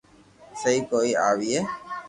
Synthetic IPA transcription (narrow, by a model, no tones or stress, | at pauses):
sejkoiaʋie